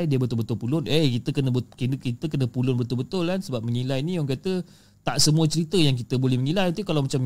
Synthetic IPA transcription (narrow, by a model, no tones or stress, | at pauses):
jdiəbət̪ʊlbət̪ʊlpulʊnəkit̪əkənəəkənkit̪əkənə̃pulʊnbət̪ʊlbət̪ʊlansəbap̚məŋilajniɔŋkat̪ə | t̪aʔsəmuət͡ʃəɾit̪əjaŋk̬it̪əbolɛhməŋilajt̪ukalawmat͡ʃam